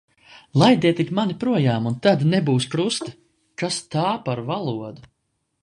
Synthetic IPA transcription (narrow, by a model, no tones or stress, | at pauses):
lˠajd̪ʲɛɛt̪ikmanipɾuɔjaːmunt̪ad̪nɛbuːspɾust̪ɨ̥ | kast̪aːpaɾvalˠuɔd̪u